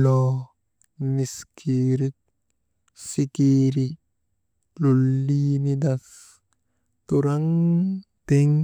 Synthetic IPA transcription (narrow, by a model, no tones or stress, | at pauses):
lɔ | niskʰiɾik̚ | sikiːɾi | lulːinid̪ɐs | t̪uɾaŋ | t̪eŋ